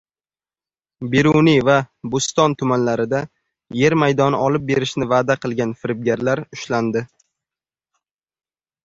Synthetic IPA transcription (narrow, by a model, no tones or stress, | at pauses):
beɾunivabʊst̪ɒnt̪ʰʊmanlaɾɪd̪a | je̞ɾmajd̪ɒnɪɒlˠɪp̚be̞ɾɪʃnɪvaːd̪aqʰɨlˠɡʲanfɪɾɪb̚ɡʲaɾlaɾʊʃland̪ɪ